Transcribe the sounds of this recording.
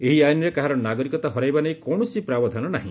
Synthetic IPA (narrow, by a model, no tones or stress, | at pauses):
eɦiajnɔɾekaɦaɾɔnaɡɔɾikɔt̪aɦɔɾajbanejkɔwɳɔsipɾabɔd̪ʱanɔna̰ɦḭ̃